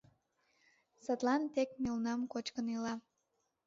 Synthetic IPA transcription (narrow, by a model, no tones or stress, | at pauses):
sət̪lɑnt̪ekmelnɑmkot͡ɕkənilɑ